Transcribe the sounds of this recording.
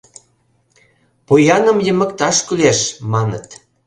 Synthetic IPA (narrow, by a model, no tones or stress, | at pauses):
pojɑnə̆mjəmə̆kt̪ɑʃkyleʃmɑnə̰t̪